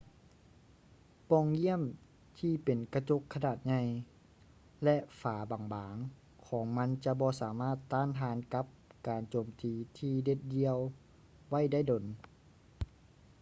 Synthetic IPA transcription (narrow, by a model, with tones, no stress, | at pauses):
pɔː˧˨ŋji˥˨əm | t̪ʰiː˧˩pe˨nka˧t͡ɕo˧˥kʰːa˧naː˨˩t̪̚ɲa˧j | lɛ˧ʔfaː˨˩baː˨˩ŋbaː˨˦ŋ | kʰɔː˩˦ŋma˧˥˨nt͡ɕa˧bɔː˧saː˨˦maː˥˩t̪ːaː˧˥˨naː˧˦nka˧˦˥p̚kaː˨˩nt͡ɕoː˨˩mt̪iː˨˩t̪ʰiː˧de˧t̪̚di˧əw | wa˥˨jda˥˩jdo˨˩n